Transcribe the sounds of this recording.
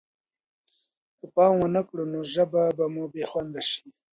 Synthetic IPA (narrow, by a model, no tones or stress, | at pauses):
kəpɑːmwanakɽunoʒababamubeːxwand̪aʃi̥